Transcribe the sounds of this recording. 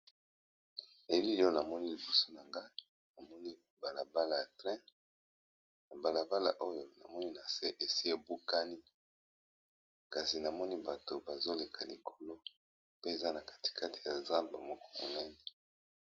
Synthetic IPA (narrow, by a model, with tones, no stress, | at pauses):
e˨li˦o˦na˨mɔ˦ni˦li˨bu˦so˦na˨ŋɡa˦ | na˨mɔ˦ni˦ | ba˨la˨ba˦la˨ja˨tʁɛ̃˦ | na˨ba˨la˨ba˦la˨ʔo˦jo˨na˨mɔ˦ni˦na˨se˦ʔe˨si˦e˨bu˦ka˦ni˦ | ka˨si˨na˨mɔ˦ni˦ba˨to˨ba˨zo˦le˨kʰa˨li˨kʰo˨lo˦ | pe˦e˨za˦na˨kḁ˨ti̥˨kʰa˦tʰi̥˨ja˨zã˦mba̰˨mo˨kɔ̥˨mo̰˨na˦ne˨